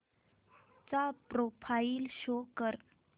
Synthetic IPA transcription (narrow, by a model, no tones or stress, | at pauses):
t͡sapɾofʰailɕokəɾ